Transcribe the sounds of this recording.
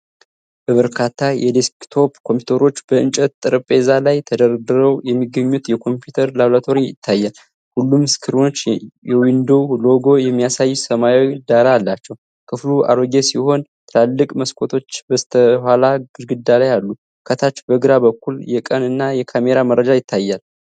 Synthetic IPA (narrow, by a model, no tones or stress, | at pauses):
b̥əβəɾkʰat̪ʰːajɛd̪eskt̪ʰo̞pkʰompjut̪ʰəɾo̞t͡ʃːbəɨnt͡ʃʼɛt̪t̪ʼɨɾpʼezalajt̪ʰəd̪əɾd̪ɨɾəwjɛmːiɡːəɲːut̪jɛkʰo̞mpjut̪ʰəɾlaβlat̪ʰo̞ɾijɪ̰t̪ʰːajːal | hulːumskʰɨɾino̞t͡ʃːjɛwind̪o̞lo̞ɡo̞jɛmːijasajːsəmajd̪aɾalːat͡ʃːɛw | kʰɨfluʔa̰ɾoɡesiho̞nt̪ʰɨlalːɨkʼməskʷʰʼo̞t̪ʰo̞t͡ʃːbəst̪ʰəhalaɡɨɾɡɨd̪ːalajalːu | kʰət̪ʰat͡ʃːbəɡɨɾabəkːuljɛkʼənɨnːajɛkʰame̞ɾamərːəd͡ʒajɪt̪ʰːajːal